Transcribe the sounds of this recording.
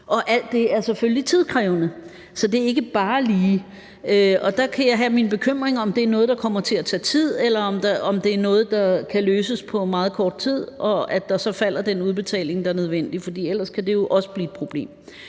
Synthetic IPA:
ʔɒ̽ʔæl̰d̥e̝æɐseføllit͡sʰið̞̰ˠkʰʁɛːʊnə | sɒ̽d̥e̝æɐe̝ɡ̥əb̥ɑ̈ːliː | øɒ̽d̥ɑ̈kʰæjɑ̈ɪɦæminb̥e̝kʰøm̰ʁeŋɒ̽md̥e̝æɐnɔ̽ːð̩ˠd̥ɑ̈kʰɒ̽m̰ɐt͡sʰe̝læt͡sʰɛ̰ːt͡sʰið̰ˠelɐɒ̽md̥ɑɒ̽md̥e̝æɐnɔ̽ːð̞̩ˠd̥ɑ̈kʰæløːsəspʰɒ̽mɑ̈ːð̞̩ˠkʰɒːd̥̚t͡sʰið̞̰ˠʔɒ̽æd̥ɑ̈sɒ̽fæl̰ɐd̥enuð̞ˠb̥e̝t͡sʰɛ̰ːle̝ŋd̥ɑ̈æɐnøð̞ˠʋen̰d̥ifɒ̽d̥ḭːel̰ɐskʰæd̥e̝jo̝ʔɒ̽sə̥b̥liːed̥pʰʁo̝b̥le̝̰ːm

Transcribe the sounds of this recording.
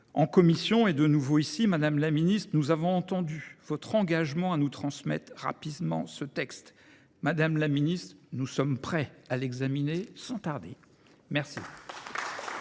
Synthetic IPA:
ɑ̃kɔmisjɔ̃ed̪ənuvoisimad̪amlaminist̪χnuzavɔ̃ɑ̃t̪ɑ̃d̪yvɔt̪χɑ̃ɡaʒmɑ̃anut̪χɑ̃smɛ̰t̪χʁa̰pid̪mɑ̰̃sət̪ɛkst̪ | mad̪amlaminist̪χnusɔmpχɛalɛɡzaminesɑ̃t̪aʁd̪e | mɛʁsḭ

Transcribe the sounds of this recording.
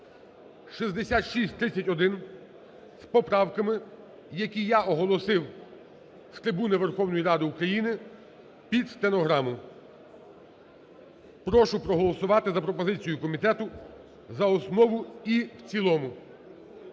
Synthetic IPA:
ʃizd̪esʲat̪ʃisʲtʲt̪ɾɪt͡sʲɐtʲɔd̪ɪn | spɔpɾɑwkɐmɪ | jɐkʲijaʔɔɦɔlˠɔsɪw | st̪ɾɪbunɪʋerxɔwnɔjiɾɑd̪ɪukɾɐjinɪ | pʲid̪st̪enɔɦɾɑmʊ | pɾɔʃʊpɾɔɦɔlˠɔsʊʋɑt̪ɪzɐpɾɔpɔzɪt͡sʲijʊkɔmʲit̪ɛt̪ʊ | zɐɔsnɔʋʊiwt͡sʲilˠɔmʊ

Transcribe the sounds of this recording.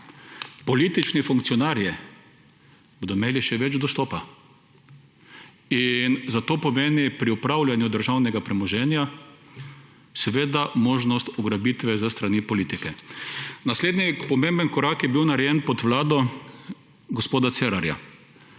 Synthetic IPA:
pɔliːt̪it͡ʃnifuŋk̚t̪sijɔnaɾjɛ | bod̪ɔmeːliʃɛʋɛd͡ʒd̪ɔst̪ɔːpa | inzat̪oːpɔmeːnipɾiupɾawlʲjanjud̪əɾʒawnɛɡapɾɛmɔʒɛnja | sɛʋeːd̪amoːʒnɔst̪ɔɡɾabit̪ʋɛzəst̪ɾanipɔliːt̪ikɛ | nasleːd̪nipɔmẽmbənkɔɾaːkjɛbiwnaɾɛjɛnpɔt̪ʋlaːd̪ɔ | ɡɔspoːd̪at̪sɛɾaɾja̰

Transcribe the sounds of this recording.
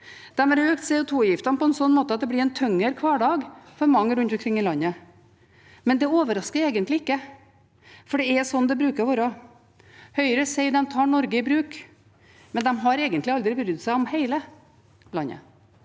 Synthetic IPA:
d̪̥ɛmæɾøːkt̪seːʊt̪ʰuːjɪft̪ɑnpʰɔɛnsɔnːmoːt̪əɑt̪̚d̪ɛblɪɾɛnt̪ʰœŋːəɾkʰʋɑːɖɑːɡfɔɾmɑŋːəɾʉnt̪ɔmkʰɾɪŋːɪlɑnːə | mɛnd̪ɛoːʋəɾɑskəɾeːɡənt̪lɪɪkːə | fɔɖɛɛsɔnːd̪ɛbɾʉːkəɾuːɾə | hœʏəɾəseɪd̪ɛmt̪ʰɑːɳɔɾɡəɪbɾʉːk | mɛnd̪ɛmɦɑɾeːɡənt̪lɪɑld̪ɾɪbɾyːd̪sæɪɔmheɪlə | lɑnːə̰

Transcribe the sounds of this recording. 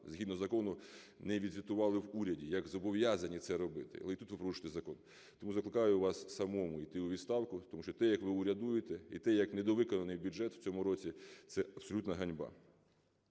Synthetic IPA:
zɦid̪nɔzɐkɔnʊ | nɛʋʲid̪ʲʋʲit̪ʊʋɑlˠɪwuɾʲɐdʲijɐɡzɔbɔʋjazɐnʲit̪sɛɾɔbɪt̪ɪ̰ɐ̰lˠɛit̪ut̪ʋɪpɾɔɾuʃɪ̥t̪ɛzɐkɔn | t̪ɔmuzɐklˠɪkɑjʊʋɑssɐmɔmʊit̪ɪʊʋʲid̪st̪ɑwkʊt̪ɔmuʃt͡ʃɔt̪ɛjɐkʋɪʊɾʲɐd̪ujɪt̪ɛit̪ɛjɐknɛd̪ɔʋɪkɔnɐnɪjbʲjuʐɛt̪w̥t͡sʲɔmʊɾɔt͡sʲit̪sɛɐpsɔlʲut̪nɐɦɐnʲbɑ̰

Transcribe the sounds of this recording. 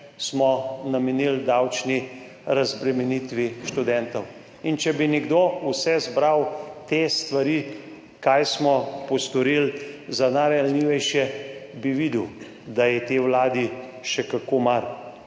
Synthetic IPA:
smɔnamɛnild̪awt͡ʃni | ɾazbɾɛmɛnit̪ʋiʃt̪ud̪ɛnt̪ɔw | int͡ʃɛbinɛɡd̪owsɛzbɾawt̪est̪ʋaɾiː | kajsmɔpɔst̪ɔɾilzanaɾaalniːʋɛjʃɛbiʋid̪w | d̪ajɛt̪eːwlaːd̪iʃɛkakoːmaɾ

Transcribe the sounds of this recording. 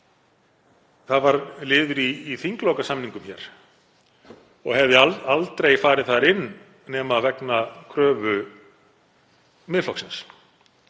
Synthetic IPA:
θaðvaɾlɪːðʏɾiːθiŋklowkasamniŋkʏmçɛ̰ːɾ̥ | ɔɣhɛvðɪaalt̪ɾejfaːɾɪðθaðɾɪnː | ɛːmavɛknakʰɾœːvʏ | mɪðflɔwksɪns

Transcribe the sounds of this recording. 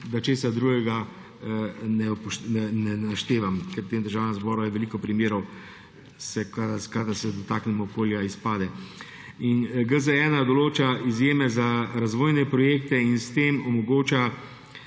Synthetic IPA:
d̪at͡ʃeːsad̪ɾuːɡɛɡa | nɛɔpʃɛnɛnaʃt̪eːʋamkɛɾpt̪eːmd̪əɾʒaːwnazbɔːɾajɛʋɛliːkɔpɾimjeːɾɔw | sɛkaskad̪asɛd̪ɔt̪aːknɛmɔkoːljaispaːd̪ɛ | inɡəzəɛnad̪ɔloːt͡ʃaizjeːmɛzaɾazʋoːjnɛpɾɔjeːk̚t̪ɛinst̪eːmɔmɔɡoːt͡ʃa

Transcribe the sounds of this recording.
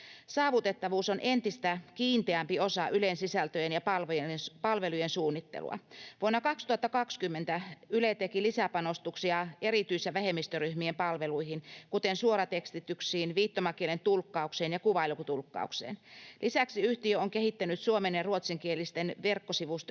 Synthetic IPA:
sɑːʋut̪et̪ːɑʋuːsonʔent̪ist̪ækiːnt̪eæmpiosɑʔylensisælt̪øjenjɑpɑlʋojepɑlʋelujensuːnːit̪ːḛlṵɑ̰ʋuonːɑkɑkst̪uhɑt̪ːɑkɑkskymːent̪æylet̪ekilisæpɑnost̪uksiɑeɾit̪yisːæʋæɦemːist̪øryhmiempɑlʋeluihinkut̪ensuoɾɑt̪ekst̪it̪yksiːnʋiːt̪ːomɑkielent̪ulkːɑukseːnjɑkuʋɑilukut̪ulkːɑ̰uksḛːnlʔisæksiyht̪iøoŋkehit̪ːænyt̪suomeneruot̪siŋkielist̪enʋerkːosiʋust̪

